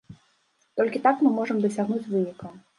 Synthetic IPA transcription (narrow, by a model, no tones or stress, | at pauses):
t̪ɔlʲkʲit̪akmɨmɔʐɐmd̪ɐsʲaɣnut͡sʲvɨnʲikɐ